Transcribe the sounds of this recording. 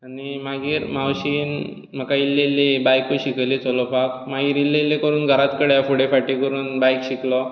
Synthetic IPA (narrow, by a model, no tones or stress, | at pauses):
animaɡiːɾmawɕiːn | m̤əkailːelːebajkoɕiklet͡sɔlɔpak̚maɡiːɾilːelːekəɾuːnɡʱəɾat̪kəɽjafuɽefaʈikəɾuːnbajkɕiklɔ